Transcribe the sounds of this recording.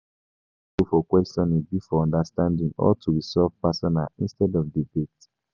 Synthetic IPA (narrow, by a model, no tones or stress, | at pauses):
ofɔkwɛstɔ̃nibifɔɔ̃ndastãndĩŋɔ̰tʰuɹisɔlvpasɔnalĩnstɛdɔvdibet